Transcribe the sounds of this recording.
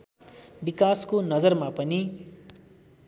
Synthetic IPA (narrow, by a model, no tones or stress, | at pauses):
bikaskonʌd͡zʌrmapʌni